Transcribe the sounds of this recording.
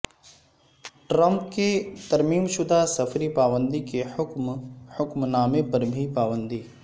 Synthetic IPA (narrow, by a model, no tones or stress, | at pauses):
ʈɾə̃mp̚ket̪ɐɾmiːmʃʊd̪ʱasɐfɾipaːʋə̃nd̪ikeʊkmhʊkmnaːmepɐɾbʱipaːʋə̃nd̪iː